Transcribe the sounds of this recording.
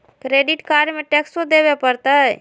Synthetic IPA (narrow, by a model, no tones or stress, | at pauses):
kɾeɖiʈkaɾmeʈeksʈod̪ebepəɾt̪ə